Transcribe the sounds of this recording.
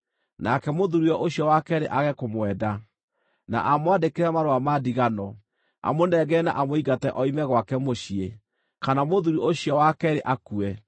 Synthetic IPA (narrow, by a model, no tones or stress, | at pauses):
nakɛmoðuɾiɔʔoɕjɔwakɛɾḛʔaɣɛkomwɛda | na̰ʔamwadekeɾɛmaɾoamadiɣanɔ | a̰monɛɡɛna̰ʔamoiɡatɛʔɔimɛɣwakɛmoɕie | kanamoðuɾioɕjɔwakɛɾeʔakuɛ